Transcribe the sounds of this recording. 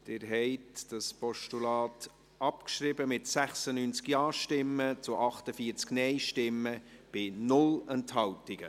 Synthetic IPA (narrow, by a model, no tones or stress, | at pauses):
d̪̥ɪɾɦɛɪtd̥ɑspɔʃtulɑːt | ɑpkʃɾɪbəmɪtsæχsənyːnt͡skjɑːʃtɪmːət͡sʊʔɑχtəfiːəɾt͡sknɛɪʃtɪmːəb̥ɪnʊlɛnthɑwtɪɡ̥ə